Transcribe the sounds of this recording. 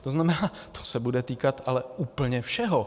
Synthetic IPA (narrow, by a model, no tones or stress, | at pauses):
t̪oznamɛnaːt̪ʰo̥sɛbudɛt̪iːkat̪alɛuːpl̩ɲɛfʃɛɦo̞